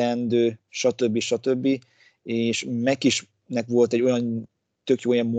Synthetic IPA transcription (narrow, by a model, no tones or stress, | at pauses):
ɛnd̪øːʃɒt̪ø̞bːiʃɒt̪ø̞bːi | eːʃmɛkiʃ | nɛkʋo̞lt̪ɛɟːo̞jɒn | t̪økjoːjɒmmo